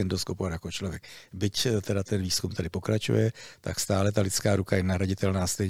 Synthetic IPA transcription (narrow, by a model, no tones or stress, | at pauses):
ɛndoskopoatjakot͡ʃlo̞vjɛkbɪct̪ɛdat̪ɛnviːskumt̪adɪpo̞kɾat͡ʃṵjɛt̪a̰kst̪aːlɛt̪alɪt͡skaːɾukajɛnaɦɾaɟɪt̪ɛlnaːst̪ɛjɲ